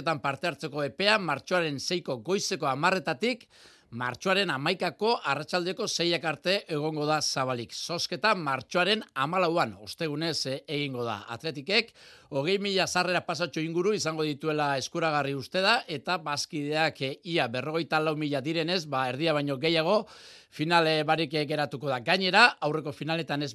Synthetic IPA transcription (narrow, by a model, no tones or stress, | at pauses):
t̪ampaɾt̪e̞aɾt͡se̞ko̞e̞pe̞amaɾt͡ʃo̞aɾe̞nse̞jko̞ɣo̞jse̞ko̞amare̞t̪at̪ik | ma̰ɾt͡ʃo̞aɾe̞namajkako̞ʔarat͡ʃald̪e̞ko̞se̞jakaɾt̪e̞ʔeɣ̞o̞ŋɡo̞ð̞asaβ̞alikso̞ske̞t̪amaɾt͡ʃo̞aɾe̞namalawano̞st̪e̞ɣ̞une̞seɣ̞iŋɡo̞ð̞a̰a̰t̪le̞t̪ike̞ko̞ɣ̞e̞jmiʎasare̞ɾapasat͡ʃuiŋɡuɾuisaŋɡo̞ðit̪ue̞lae̞skuɾaɣ̞ariust̪e̞ð̞aʔe̞t̪abaskiðe̞akiaβe̞ro̞ɣ̞e̞jt̪alawmiʎad̪iɾe̞ne̞zβae̞ɾðiaβajɲo̞ɣe̞jaɣ̞o̞ | finalβaɾikɡe̞ɾat̪uko̞ðaɡaɲe̞ɾaawre̞ko̞finale̞t̪ane̞z